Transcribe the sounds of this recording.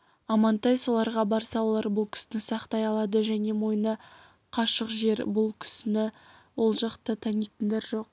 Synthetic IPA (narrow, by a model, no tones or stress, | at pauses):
ɑmɑnt̪ɑjso̞lˠɑɾʁɑbɑɾsɑwo̞lˠɑɾbʊlˠkʲʰɪ̥sɪnɪsɑqt̪ɑjɑlˠɑd̪əʒæne̞mo̞jnə | qʰɑʃəqʒe̞ɾbʊlˠkʲʰɪ̥sɪnɪwo̞lˠʒɑqt̪ət̪ʰænijt̪ɪnd̪eɾʒo̞q̚